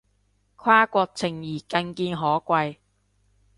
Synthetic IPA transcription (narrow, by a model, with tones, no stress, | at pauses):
kʰwaː˥kʷɔː˧k̚t͡sʰɪ˨˩ŋjiː˨˩kɐ˧nkiː˧nɦɔː˨˥kʷɐ˧j